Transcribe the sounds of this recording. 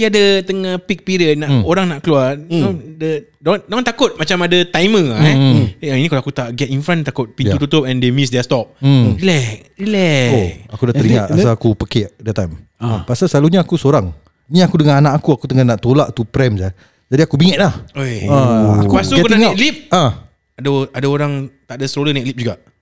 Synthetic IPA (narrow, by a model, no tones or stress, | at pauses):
iadət̪əŋapik̚pidənaʔoɾaŋnaʔkəluanodədodoŋant̪akʊt̪̚mat͡ʃamadət̪ajmə̃ɛainikaloakut̪aʔɡɛt̪infɾãnt̪akʊt̪̚pinjt̪ut̪ut̪op̚ɛ̃ndemis̬dɛst̪ɔp̩̚ilɛk̚ilɛoakudaʔt̪əɾiŋaʔasaakupəkɛʔdɛt̪ajmpasasəlaluɲaːkusoɾaŋ | niakudəŋananãʔakuakut̪əŋannaʔt̪olaʔt̪upɾɛmsa | d͡ʒadiakubiŋət̪ʔ̚lahoãakkubasukut̪aŋatlip̚ã | adaadaoɾaŋt̪aʔadasəɾolənɛt̪̚lip̚d͡ʒuɡa